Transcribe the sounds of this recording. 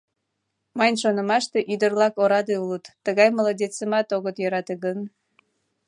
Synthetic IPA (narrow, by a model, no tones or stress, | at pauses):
mɑjnʃonəmɑʃt̪eʔyd̪ərlɑkoɾɑd̪eulut̪ːəɣɑjməlɑdʲet͡səmɑt̪oɣət̪jøɾɑt̪eɣən